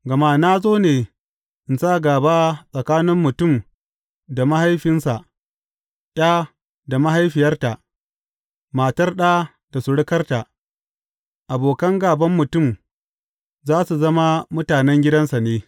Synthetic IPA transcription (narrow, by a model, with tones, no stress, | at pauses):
ɡɐ˨ma˦na˦zoː˦neː˨ | ʔɪ˨nsaː˦˨ɡaː˨baː˦sʼɐ˨kaː˦nɪ˦mːʊ˨tʊ˦˨m | da˨ma˦ha˦jɸɪ˦nsa˨ʔ | ʔʲʼaː˦ | da˨ma˦ɦa˦jɸɪ˨jɐ˦rta˨ʔ | maː˨tɐ˦rɗa˦ | da˨sʊ˨ɽɪ˦kɐ˦rta˨ | ʔa˨boː˨kɐ˦ŋɡaː˨bɐ˦mːʊ˨tʊ˦˨m | zaː˦su˨zɐ˦ma˦mʊ˦taː˨nɛ˦ŋɡʲɪ˦dɐ˦nsa˨neː˦